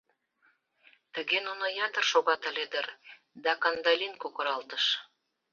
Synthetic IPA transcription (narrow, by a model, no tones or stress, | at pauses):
t̪ə̆ɣenunojɑd̪ərʃoɣɑt̪ə̆led̪ər | d̪ɑkɑnd̪ɑlʲinkokoɾɑlt̪əʃ